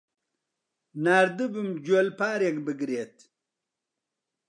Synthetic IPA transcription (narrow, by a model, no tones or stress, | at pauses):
naːɾd̪ɨbumd͡ʑuolpaːɾjekbəɡɾeːt̪